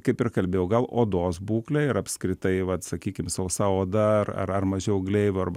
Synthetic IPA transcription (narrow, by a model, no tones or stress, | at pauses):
kɐɪpɪrkɐlʲbʲeːjɛʊɡɐlˠoːd̪oːsbuːklʲɛɪɾɐpskɾʲɪt̪ɐɪʋɐt̪sɐkʲiːkʲɪmsɐʊsɐoːd̪ɐɐrɐ̰rɐrmɐʒʲɛʊɡlʲɛɪʋʲʊɐrbɐ